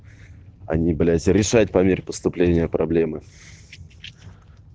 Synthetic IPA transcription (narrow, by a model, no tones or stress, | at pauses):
ɐ̰nʲibɐlʲat̪sʲəɾʲɪʂatʲpɐmʲeɾʲpəst̪ʊplʲenʲɪjəpɾɐblʲe̞mɨ